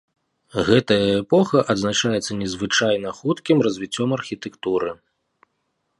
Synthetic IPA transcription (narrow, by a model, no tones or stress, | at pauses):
ɣɛt̪ɐjɐɛpɔxɐʔɐd̪znat͡ʂajɛt̪sːɐnʲɛzvɨt͡ʂajnɐxut̪kʲimrɐzʲvʲit͡sʲːɔmɐrxʲit̪ɛkt̪uɾɨ